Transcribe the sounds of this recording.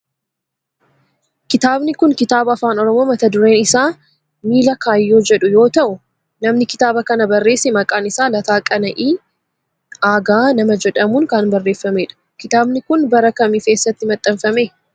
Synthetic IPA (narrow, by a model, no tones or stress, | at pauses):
kɪt̪aːbnɪkʊŋkɪt̪aːbɐːfaːnɔɾɔmo̞ːmɐt̪ɐd̪ʊɾe̞ːnɪsaː | miːlɐkaːjːo̞ːd͡ʒɛᶑʊjo̞ːt̪ɐʔʊ | nɐmnɪkɪ̥t̪aːbɐkɐnɐbɐrːe̞ːsːɛmɐkʼaːnɪsaːlɐt̪aːkʼɐnɐʔiː | aːɡaːnɐmɐd͡ʒɛᶑɐmuːŋkɐnbɐrːe̞ːfːɐme̞ːᶑɐ̥ | kɪt̪aːbnɪkʊnbɐɾɐkɐmiːke̞ːsːɐt̪ːɪmɐt̪ʼːɐmfɐmeː